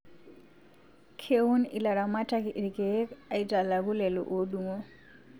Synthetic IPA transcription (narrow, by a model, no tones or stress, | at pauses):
kʰewunḭlaɾamatakiʔiɾikɛkaitalakulɛlɔ̰ʔoɗumɔ